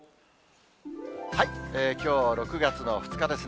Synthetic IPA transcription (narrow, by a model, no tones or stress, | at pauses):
haieːkʲo̞ːɾo̞kɯ̟ɡat͡sɨno̞ɸɯ̟̥t͡sɨ̥kad̪e̞sɨ